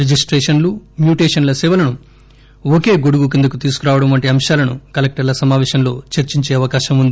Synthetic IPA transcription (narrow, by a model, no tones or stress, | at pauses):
ɾed͡ʒisʈɾeːʃɐnlumjuːʈeːʃɐnlɐsɛːʋɐlɐnu | oke̞ːɡoɽuɡuk̬ind̪ɐkut̪iːsu̥kuɾaːʋɐɽɐmʋɐɳʈiɐmʃaːlɐnukɐlek̚ʈɐɾlɐsɐmaːʋeːʃɐmlo̞ːt͡ʃɐɾt͡ʃiɲt͡ʃeːɐʋɐkaːʃɐmund̪i